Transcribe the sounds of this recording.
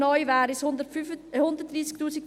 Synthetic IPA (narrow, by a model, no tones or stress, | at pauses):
nɔʏvæːɾisd̪əhʊnd̪əɾt̚d̥̪ɾiːsk̚t̪uːsik̚